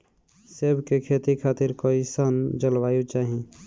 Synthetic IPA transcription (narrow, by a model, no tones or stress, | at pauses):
sebkekʰet̪ikʰaːt̪ɪɾkoːisənd͡ʒəlwaːjut͡ʃaːɦi